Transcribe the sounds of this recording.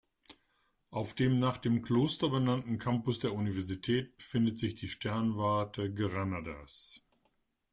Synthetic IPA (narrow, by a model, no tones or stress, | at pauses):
ʔaʊfd̥eːmnaːχd̥eːmkʰl̥oːstɐbənantn̩kʰampʊsd̥eːɐunivɛɐzitʰɛːt̚b̥əfɪndətz̥ɪçd̥iːʃtɛɐnvaɐtʰəɡʁanada̰s